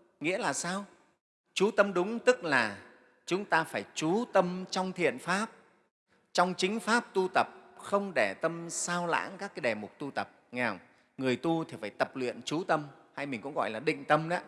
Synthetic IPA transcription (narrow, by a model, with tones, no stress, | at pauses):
ŋḭ˧˥əlaː˨˩saː˧w | t͡ɕu˨˦t̪ə˧mɗʊ˨˦ŋ͡mt̪ɨ˦˥k̚laː˨˩ | t͡ɕʊ˨˦ŋ͡mt̪aː˧faː˧˩jt͡ɕu˨˦t̪ə˧mt͡ɕɔ˧wŋ͡mt̪ʰḭ˧˨ənfaː˦˥p̚ | t͡ɕɔ˧wŋ͡mt͡ɕï˨˦ŋ̟faː˦˥p̚t̪u˧t̪ə˨˩p̚xə˧wŋ͡mɗe˧˩t̪ə˧msaː˧wla̰ː˧˥ŋkaː˦˥k̚aː˨˦ɗɛ˨˩mʊ˨˩k͡p̚t̪u˧t̪ə˨˩p̚ŋɛ˧˩wŋ͡m | ŋɨ˨˩əjt̪u˧t̪ʰi˨˩faː˧˩jt̪ə˨˩p̚lwḭ˧˨ənt͡ɕu˨˦t̪ə˧mha˧jmï˨˩ŋ̟kʊ̰˧˥ŋ͡mɣɔ̰˧˨jlaː˨˩ɗḭ̈˧˨ŋ̟t̪ə˧mɗa˨˦